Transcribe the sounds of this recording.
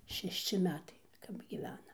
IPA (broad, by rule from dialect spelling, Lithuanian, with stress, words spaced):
ʃʲɛʃʲˈt͡ʃʲɪ ˈmʲæːtɐɪ kɐp ɡʲiːˈʋʲæːnɐm